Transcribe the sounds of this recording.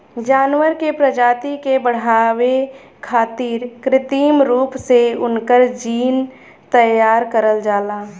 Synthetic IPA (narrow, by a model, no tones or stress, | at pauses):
d͡ʒaːnwəɾkepɾəd͡ʒaːt̪ikebəɽ̤aːwe | kʰaːt̪iːɾkɾɪt̪iːmɾuːpseʊnkəɾd͡ʒiːn | t̪əjaːɾkəɾəld͡ʒaːlaː